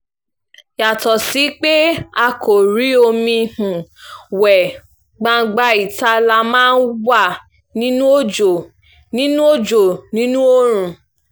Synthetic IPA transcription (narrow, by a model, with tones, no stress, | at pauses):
ja˨tɔ˨si˨˦k͡pe˦a˧ko˨ɾi˨˦o˧mĩ˧hũ˨wɛ˨ | ɡ͡bã˧ɡ͡ba˧i˨ta˧˦la˧mãː˦n̩˦wa˦˨ | nĩ˦nũ˦o˦d͡ʒo˨ | nĩ˦nũ˦o˦d͡ʒo˨nĩ˨˦nũ˦o˦ɾ̃ũ˨